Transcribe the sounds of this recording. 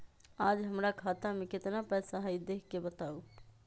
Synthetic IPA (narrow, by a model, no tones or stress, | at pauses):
ad͡ʒɦəmɾakʰat̪ameket̪napɛjsaɦəjd̪ekʰkebət̪au